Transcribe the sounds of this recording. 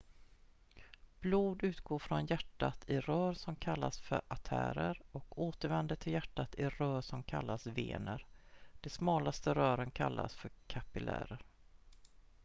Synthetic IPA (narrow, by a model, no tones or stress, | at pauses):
b̥luːd̪ʉ̟ːt̪ɡoːɾfɾɔnjæʈːat̪ʰɪɾœːɾsɔmkʰalːasfœɾat̪ʰæ̰ːɾəɾɔkoːt̪əɾvɛnd̪əʈʰɪljæʈːat̪ɪɾœːɾʂɔmkʰa̰lːasvḛːnəɾd̪̥ɛsmɑːlast̪əɾœːɾənkʰa̰lːa̰sfœɾkʰapɪlæ̰ːɾəɾ